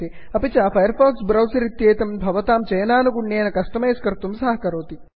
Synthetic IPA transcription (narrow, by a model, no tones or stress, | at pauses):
i | ɐpit͡ʃaːfɐjɐɾfaːksbɾɐwsɐɾit̪jeːt̪ɐmbʱɐʋɐt̪aːmt͡ʃɐjɐnaːnuɡuɳjeːnɐkɐst̪ɐmeːskɐɾt̪umsɐɦɐkɐɾoːt̪i